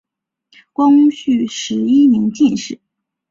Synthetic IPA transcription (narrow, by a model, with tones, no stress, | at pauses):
kwɑ˥ŋɕy˥˩ʂɻ̩˧˥i˥mi˧˥ŋt͡ɕi˥˧nʂɻ̩˥˩